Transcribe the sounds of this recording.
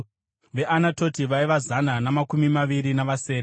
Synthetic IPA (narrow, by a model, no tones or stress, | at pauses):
ʋe̞ʔanato̞tiʋaiʋazananamakumimaʋiɾinaʋase̞ːɾe